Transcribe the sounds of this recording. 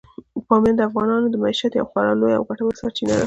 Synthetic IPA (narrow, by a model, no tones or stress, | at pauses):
pɑmjand̪əafɣɑnɑnod̪əmaiʃat̪ja̰wxwaɾɑloja̰wɡaʈawasɑɾt͡ʃinad̪a